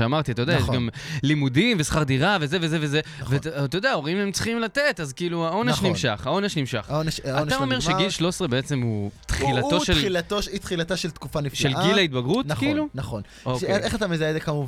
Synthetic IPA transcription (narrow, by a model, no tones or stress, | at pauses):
eamaʁtiatajod̪ajeʃɡamlimudimve̞sχaʁd̪iʁavezeve̞zeveze | vet̪odeao̞ʁimemt͡si̥χimlat̪etazkiːluao̞neʃnimʃaχhao̞neʃnimʃa̰χoneʃanao̞meʁʃeɡilʃlo̞sʁebeet͡se̞mut̪χilato̞ʃelilat̪oʃit̪χilat̪aʃelt̪kufanifʃelɡilait̪baɡʁutkiilunaχon | okeʔeχat̪amezaezekamuv